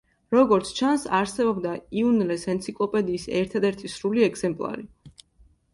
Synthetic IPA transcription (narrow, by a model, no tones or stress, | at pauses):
ɾɔɡɔɾt̪sʰt͡ʃʰansaɾsɛbɔbd̪aiunlɛsɛnt̪sʰikʼlˠɔpʼɛd̪iːsɛɾt̪ʰad̪ɛɾt̪ʰisɾuliɛɡz̥ɛmpʼlˠa̰ɾi